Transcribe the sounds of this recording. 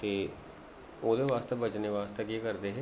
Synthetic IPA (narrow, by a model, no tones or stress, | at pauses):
t̪eː | oːd̪eːʋaːst̪ebət͡ʃneːʋaːst̪ekikəɾd̪eːɦɛː